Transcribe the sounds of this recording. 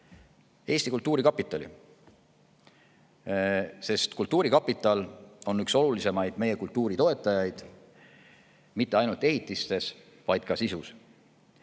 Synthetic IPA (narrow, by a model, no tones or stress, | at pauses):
e̞ːst̪ikult̪ːˑuːɾikɑpːˑit̪ːˑɑlḭ | se̞st̪kult̪ːuːɾikɑpːˑit̪ːˑɑlo̞nykso̞lulise̞mɑjd̪̥me̞je̞kult̪ˑːuːɾit̪o̞e̞t̪ːˑɑjɑjd̪̥ | mit̪ːˑe̞ɑjnult̪e̞ɦit̪ːˑist̪e̞s | vɑjd̪̥̚kɑsisus